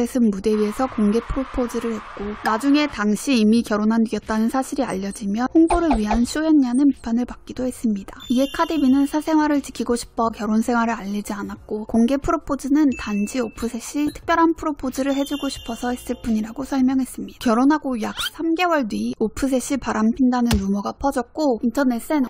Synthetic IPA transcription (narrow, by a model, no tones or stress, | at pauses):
esʰɯnmude̞ɥie̞sʰʌkoŋɡe̞pʰɯɾopʰod͡ʑiɾɯɭhe̞t̚k͈onad͡ʑuŋe̞taŋɕʰiːmikjʌɾonɦandɥiʌt̚t͈anɯnsʰaɕʰiɾia̰ʎːʌd͡ʑimjʌhoŋboɾɯɭɥiɦanɕʰoenɲanɯnpipʰanɯɭpak̚k͈idohe̞s͈ɯmɲidaiekʰadebinɯnsʰasʰe̞ŋɦwaɾɯɭt͡ɕikʰiɡoɕʰi̥pʰʌkjʌɾonsʰe̞ŋwaɾɯɾaʎːid͡ʑianat̚k͈okoŋɡe̞pʰɯɾopʰod͡ʑinɯntand͡ʑiopʰɯsʰe̞ɕ͈itʰɯ̥k̚p͈jʌɾɦanpʰɯɾopʰod͡ʑiɾɯɭɦe̞d͡ʑuɡoɕʰi̥pʰʌsʰʌis͈ɯɭp͈uɲiɾaɡosʰʌɭmjʌŋɦe̞s͈ɯmɲidakjʌɾonɦaɡojak̚s͈ʰamɡe̞wʌɭdɥiopʰɯs̬ʰe̞ɕ͈ʰipaɾampʰindanɯnːumʌɡapʰʌd͡ʑʌk̚k͈ointʰʌne̞s͈en